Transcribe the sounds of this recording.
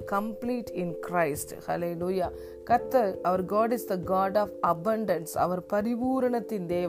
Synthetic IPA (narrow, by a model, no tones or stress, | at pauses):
kɐ̃mpliːʈʰɪ̃nkɾaɪsʈhɐ̰leluːjaː | kɐt̪ːɐʔɐʋɐɾɡaːɖɪsd̪ɐɡaːɖaːfɐbɐ̃ɳɖɐnsɐ̰ʋɐɾpɐɾɪpuːɾɐɳɐt̪ːɪnd̪eːʋ